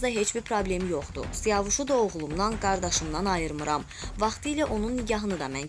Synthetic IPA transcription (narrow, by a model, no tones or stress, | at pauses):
d̪ɑɦe̞t͡ʃbiɾpʰɾoblʲe̞mjo̞χd̪ṵsijɑvuʃud̪ɑoʁlˠumd̪ɑnɡɑɾd̪ɑʃɯmd̪ɑnɑjɯɾmɯɾɑm | vɑχt̪ʰɯjlæʔo̞nunːiɟɑɦɯnɯd̪ɑmæn